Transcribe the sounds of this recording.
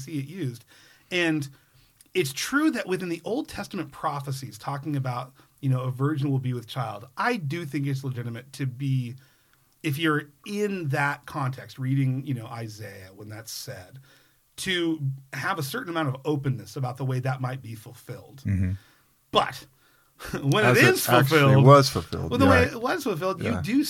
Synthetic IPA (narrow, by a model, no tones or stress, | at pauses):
siɨʔjʉzd̥ | ɨ̃n | ɨtstʰɹ̥ʉðɨʔ̚wʔɨθɪ̃nðiʔoʊlˠd̚tʰɛstmɨ̃npʰɹ̥ɑfəsiz̥tʰɔkɪ̃ŋɨbaʊt̚jɨnoʊəvɜ˞d͡ʒɨ̃n̩wɪlˠbiwɨð̥t͡ʃʰaɪlˠdʔaɪdɨθɪ̃ŋk̬ɨts̬ləd͡ʒɪɾɨmɨtʰɨbi | ɨfjə˞ɪ̃nðɨt̚kʰɑ̃ntʰɛkst̚ɹiɾɪ̃ŋjɨñoʊʔaɪzeɪɨwə̃nðætsɛd̥̚ | tʰɨəvəsɜ˞ʔn̩əmãʊ̃ntʌvoʊpɨ̃nɨsəbaʊt̪̚ðəweɪðɨt̚maɪt̚b̥ifl̩ˠfɪlˠd̥̩ | b̥ʌ̰t̚ | wə̃nɨɾɪz̥fl̩ˠfɪlˠdʌz̥fl̩ˠfɪ̰lˠwðəweɪwʌɾɨz̥fl̩ˠfɪlˠdjɨdɨ